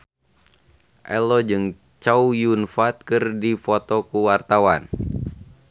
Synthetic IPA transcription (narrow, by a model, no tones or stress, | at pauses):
ʔɛlɔd͡ʒɨŋ | t͡ʃaujunfat̪̚kɨrdifɔt̪ɔkuwart̪awan